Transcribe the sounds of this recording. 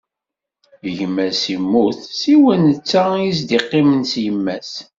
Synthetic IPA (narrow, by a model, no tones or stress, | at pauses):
əʝmæsimːuθsiwænət͡sːæjis̬d̪iqːɪmənsjəmːæs